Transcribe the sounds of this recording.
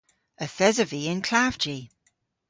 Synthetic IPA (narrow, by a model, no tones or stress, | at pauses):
əθɛzəviːɪ̃nkʰl̥aːv̥d͡ʒi